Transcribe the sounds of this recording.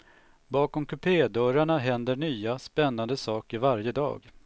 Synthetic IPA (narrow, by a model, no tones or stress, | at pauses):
bɑːkɔmkʰɵpʰeːd̪œɾaɳaɦɛnd̪əɳyːaspɛnːand̪əsɑːkɪvaɾjəd̪ɑ̰ːɡ